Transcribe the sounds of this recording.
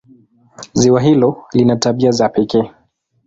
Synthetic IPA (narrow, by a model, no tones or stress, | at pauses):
ziwaɦilɔlinataɓiazapɛkɛː